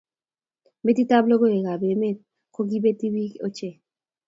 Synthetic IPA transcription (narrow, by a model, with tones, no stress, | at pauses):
me˦t̪i˦t̪a˦blo˦ɣo˦e˨ɣa˨be˨me˦t̪̚ | ko˦ɡi˦be˦t̪i˦βi˦ko˦t͡ʃe˨